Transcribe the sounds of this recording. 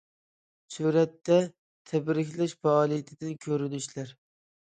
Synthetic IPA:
suɾat̪ːa | t̪ʰabɾɪkʲlaʃfaːlˠijat̪ʰɪd̪ankʲʰɵɾɪnɪʃlaɾ

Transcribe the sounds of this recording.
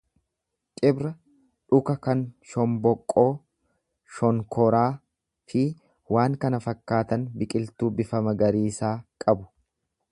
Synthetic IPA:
kʼɪbɾɐ | ᶑʊkɐkɐnʃɔmbɔkʼːo̞ː | ʃɔŋkʰɔɾaː | fɪ | waːŋkɐnɐfɐkːaːt̪ɐnbɪkʼɪlt̪uːbɪfɐmɐɡɐɾiːsaːkʼɐbʊ̥

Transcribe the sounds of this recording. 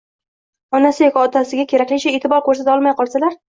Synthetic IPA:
ɒnasɪjekʲːt̪ʰasɪɡʲakʲʰe̞ɾakʲlɪt͡ʃʰaet̪ɪbɒɾkʰɵɾs̬at̪aɒlˠmajqʰɒlˠsalaɾ

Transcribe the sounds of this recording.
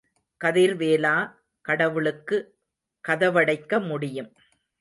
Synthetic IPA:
kɐðɪɾʋeːlaː | kɐɽɐʋɯɭɯkːɯ | kɐðɐʋɐɽɐɪkːɐmʊɽɪjɯm

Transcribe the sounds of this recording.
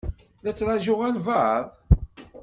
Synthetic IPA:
læt͡sːɾaʒʊʁælvaðˤ

